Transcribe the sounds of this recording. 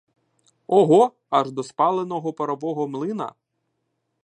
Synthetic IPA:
ɔɦɔ | ɑʒd̪ɔspɑlˠenɔɦɔpɐɾɔʋɔɦɔmlˠɪnɐ̰

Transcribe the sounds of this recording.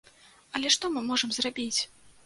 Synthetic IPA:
ɐlʲɛʂt̪ɔmɨmɔʐɨmzrabʲit͡sʲ

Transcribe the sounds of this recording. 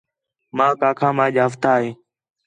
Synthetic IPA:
mãːkãːkʰãːmãːʄaːɦəft̪aːɦeː

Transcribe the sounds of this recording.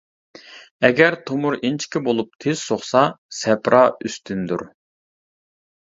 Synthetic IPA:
ɛɡʲɛɾt̪ʰomʊɾint͡ʃʰi̥kʲɪbolˠup̚t̪ʰez̥soχsɑsɛpɾʔɑːyst̪ʰynd̪ṵɾ

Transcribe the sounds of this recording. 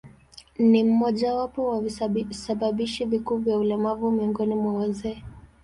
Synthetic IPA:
nim̩mɔʄawapɔwasaɓaɓiʃivikuːvjaulɛmavumiɔŋɡɔnimwawazɛː

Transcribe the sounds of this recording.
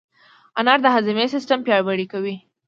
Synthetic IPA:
anaɾd̪əɦazɪmesɪsʈampjɑɽbaɽikawi

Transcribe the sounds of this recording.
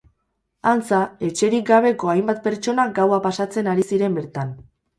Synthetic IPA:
ant͡sae̞t͡ʃe̞ɾik̚ɡaβ̞e̞ko̞ajmbat̪̚pe̞ɾt͡ʃo̞naɡawapasat͡se̞naɾisiɾe̞mbe̞ɾt̪an

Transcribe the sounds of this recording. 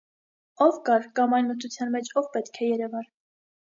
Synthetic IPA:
ɔvkɑɾkɑmɑjnmət̪ʰut͡sʰjɑnmɛt͡ʃʰɔvpɛt̪kʰɛjɛɾɛvɑɾ

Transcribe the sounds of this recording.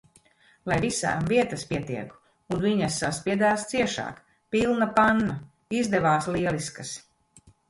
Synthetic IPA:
lˠajvisa̰ːmviɛt̪aspiɛt̪iɛk | unviɲasːaspiɛd̪aːst̪siɛʃa̰ːk | pilˠnapanːa | izd̪ɛvaːsliɛliskas

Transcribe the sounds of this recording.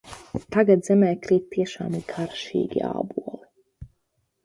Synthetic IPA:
t̪aɡad̪zɛmɛːkɾiːt̪̚t̪ːiɛʃa̰ːmikʰaɾʃḭːɡʲḭa̰ːbuɔli

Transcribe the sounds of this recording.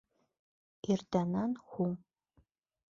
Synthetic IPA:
irdɐnanxʷu

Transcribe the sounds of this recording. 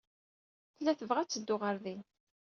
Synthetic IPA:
θəlːæθəvʁæt͡sːəd̪ːʊʁəɾði

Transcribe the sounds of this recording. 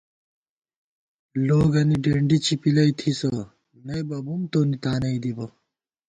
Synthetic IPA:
loːɡɐniɖeːɳɖit͡ɕipilɐit̪ʰisɐ | nɐjbɐbumt̪onit̪aːnɐid̪ibɐ

